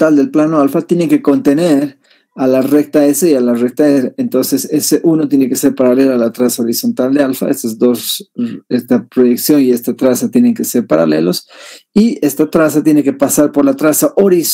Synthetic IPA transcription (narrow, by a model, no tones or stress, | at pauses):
t̪ald̪elplano̞alfat̪je̞ne̞ŋke̞ko̞nt̪e̞ne̞ɾ | alare̞k̚t̪aeseialare̞k̚t̪aeseent̪o̞nse̞se̞seʔuno̞t̪je̞ne̞ke̞se̞ɾpaɾale̞laːlat̪ɾasao̞ɾiso̞nt̪ald̪e̞alfa̰est̪ozd̪o̞sest̪apɾo̞jeksjo̞nie̞st̪at̪ɾasat̪je̞ne̞ŋkese̞ɾpaɾa̰le̞̰losie̞st̪at̪ɾasat̪je̞neke̞pasaɾpo̞ɾlat̪ɾasaʔo̞ɾis